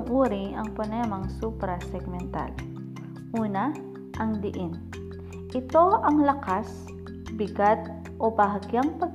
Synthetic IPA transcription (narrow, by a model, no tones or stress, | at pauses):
ŋʔuːɾɪɐŋponɛmɐŋsupɾɐsɛɡ̚mɛnt̪a̰l | ʔuːna | ʔɐŋd̪ɪʔɪn | ʔɪt̪o̞ʔɐŋlɐkas | bɪɡat̪̚ | ʔobaɦɐɡjaŋpɐɡ